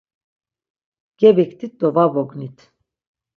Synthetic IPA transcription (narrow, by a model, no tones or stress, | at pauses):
ɡ̥ɛbikt̪ʰit̪̚d̪ɔvavɔɡnit̪ʰ